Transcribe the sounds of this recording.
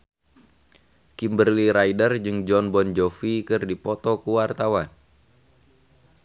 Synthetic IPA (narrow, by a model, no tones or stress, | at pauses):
kimbərliɾaidərd͡ʒɨŋd͡ʒɔnbɔnd͡ʒɔfikɨrdipɔt̪ɔkuwart̪awan